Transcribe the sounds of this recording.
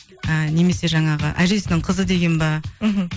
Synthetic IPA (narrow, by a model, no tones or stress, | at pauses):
əne̞me̞se̞ʒɑɴɑʁə̰ʔæʒe̞sɪnɪɴqʰəzəd̪e̞ɡʲe̞nbɑ